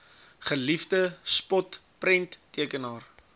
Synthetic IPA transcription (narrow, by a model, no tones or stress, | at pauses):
χəlifdəspɔt | prɛntːiəkənɑːr